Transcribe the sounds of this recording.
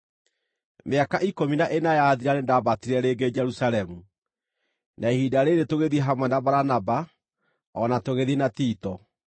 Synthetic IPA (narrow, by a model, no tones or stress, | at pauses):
meakaʔikominaʔenajaðiɾanendabatiɾɛɾeɡed͡ʒɛɾusalɛmu | nʔaehidaɾeɾetoɣeðieɦamwɛndabaɾanaba | ɔnatoɣeðienatiːtɔ